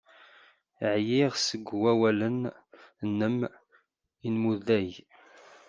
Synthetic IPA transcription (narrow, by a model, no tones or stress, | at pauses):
ʕjɪʁsəɡwæwælən | nːəm | inmuðæj